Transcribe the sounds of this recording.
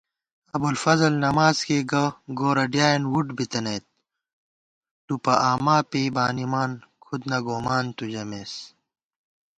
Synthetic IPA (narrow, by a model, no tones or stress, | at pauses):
ɐbulfɐzɐlnɐmaːzkeːɡɐɡoːɾɐɖjaːjnwuɖbit̪ɐnɐjt̪̚ | upɐʔaːmaːpeːbaːnimaːnkʰud̪nɐɡoːmaːnt̪ud͡ʑɐmeːs